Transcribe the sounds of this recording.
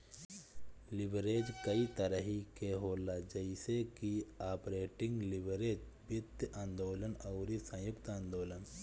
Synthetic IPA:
lɪbɾeːd͡ʒkəit̪əɾəɦikeɦoːlad͡ʒəɪsekiaːpɾeːʈɪ̃ŋɡlɪbɾeːd͡ʒbjʊd̪jãːnd̪oːlənəʊɾisə̃jʊkt̪ãːnd̪oːlən

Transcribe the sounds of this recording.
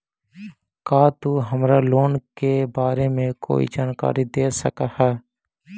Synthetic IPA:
kaːt̪uɦəmɾaloːnkebaːɾemẽko̰ːḭd͡ʒaːnka̰ːɾid̪eːsəkahɛː

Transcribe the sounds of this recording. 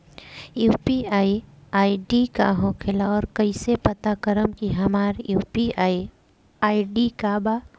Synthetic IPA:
juːpiaːiaːiɖika̰ɦõkʰɪlaɔːɾkɐisepɐt̪akəɾəmkiɦɐmaːɾjuːpiaːi | aːiɖikaba

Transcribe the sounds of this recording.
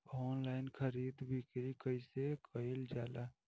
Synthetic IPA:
ɔːnlaːɪnkʰəɾiːd̪bɪkɾikəɪsekəɪld͡ʒaːla

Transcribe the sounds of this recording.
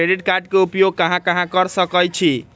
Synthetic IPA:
ɾeɖiʈkaɾɖkeupjoɡ̚kʌɦãkʌɦãkʌɾsʌkəjt͡ʃʰi

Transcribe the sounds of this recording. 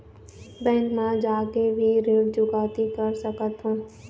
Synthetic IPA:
bɛ̃ːŋkmãd͡ʒaːkebʱiɾeːld͡ʒʊkaːt̪ikəɾsəkət̪ɦũː

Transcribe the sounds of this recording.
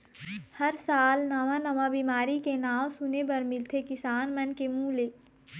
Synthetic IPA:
hɐɾsaːlnɐʋãnɐʋabiːmaːɾikenaːwsʊnepɐɾmɪlt̪ʰekɪsaːnmɐnkemũːleː

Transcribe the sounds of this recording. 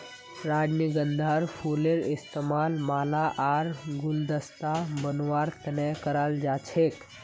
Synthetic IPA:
ɾaːd͡ʒniɡənd̪ʱaɾfʰuleɾɪst̪emaːlmaːlaʔaːɾɡʊld̪əst̪abənʋaːɾt̪ɐnəkəɾald͡ʒat͡ʃʰek

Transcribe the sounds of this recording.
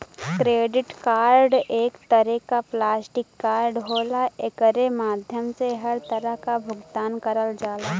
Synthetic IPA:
kɾeːɖɪʈkaːɾɖeːkt̪əɾɛkaplaːsʈɪkːaːɾɖɦoːlaekəɾemaːd̪ʱjəmseɦɐɾt̪ɐɾəɦkabʱʊɡt̪aːnkɐɾəld͡ʒaːlaː

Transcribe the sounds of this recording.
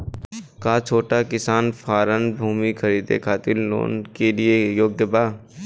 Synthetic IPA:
kaːt͡ʃʰoːʈakɪsaːnfʰaːɾənbʱuːmikʰɐɾiːd̪ḛkʰaːt̪ɪllo̰ːnkeliejoːɡjəbaː

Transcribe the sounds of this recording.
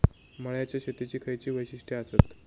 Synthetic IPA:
məɭjat͡ɕjaɕet̪it͡ɕiːkʰəjt͡ɕiːʋəjɕiʂʈʰiaset̪

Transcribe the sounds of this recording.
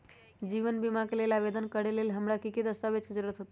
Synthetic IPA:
d͡ʒiʋənbimakelelabed̪ənkəɽelelɦəmɾakiked̪əst̪aʋed͡ʒked͡ʒəɾuɾət̪ɦot̪

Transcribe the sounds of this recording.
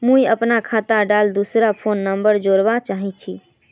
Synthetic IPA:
mũjəpnakʰat̪aɖald̪usɾapʰonːəmbəɾd͡ʒoɾʋat͡ʃaɦit͡ʃʰi

